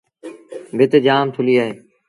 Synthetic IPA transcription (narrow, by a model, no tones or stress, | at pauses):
bʱɪt̪ed͡ʒaːmt̪ʰʊliːaːɦeː